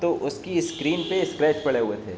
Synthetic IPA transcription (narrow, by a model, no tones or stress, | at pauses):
t̪oʔʊskiskɾiːnpeɪskɾɛːt͡ʃpɐɽ̤eɦʊet̪ʰḛː